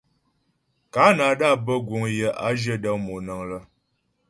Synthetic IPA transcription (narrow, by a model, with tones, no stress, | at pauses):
ka˨˦na˨ɗa˦˨bə˦ɡwo˨ŋjə˨ʔa˦d͡ʒə˦də˦ŋmo˨nə˨ŋlə˦